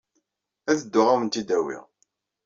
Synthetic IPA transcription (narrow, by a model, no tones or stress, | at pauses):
æθəd̪ːʊʁawənt̪id̪æwḭʁ